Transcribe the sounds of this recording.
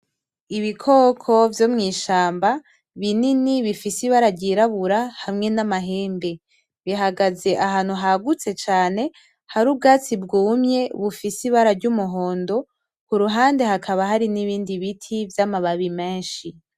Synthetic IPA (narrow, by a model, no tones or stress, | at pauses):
iβikʰo̞ːkʰo̞vjo̞mŋiːʃaːmba | βininiβifisiβaɾaɾɟiɾaβuɾahamŋenamaɦeːmbe̞ | βiɦaɡaze̞ʔaɦaːn̥huɦaɡut͡se̞t͡ʃaːne̞ | haɾub̚ɡaːt͡sibɡuːmɲe̞βufisiβaɾaɾɟumuɦo̞ːndo̞ | kuɾuɦaːnde̞ɦakʰaβaɦaɾiniβiːndiβitʰivjamaβaβime̞ːnʃi